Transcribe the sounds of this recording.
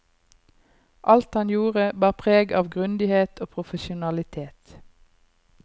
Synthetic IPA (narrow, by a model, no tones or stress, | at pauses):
ʔɑlt̪hɑnjuːʁəbɑːʁpʰʁeːɡɑːʋɡʁʉnd̪ɪheːt̪ʰoːpʰʁʊfəʃʊnɑlɪt̪ʰeːt̪